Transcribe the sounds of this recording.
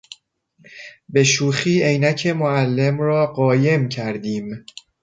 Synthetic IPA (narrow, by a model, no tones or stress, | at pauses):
be̞ʃuːxiːʔe̞jnæcʰe̞moælːe̞mɾɒːɢɒːje̞mcʰæɾd̪iːm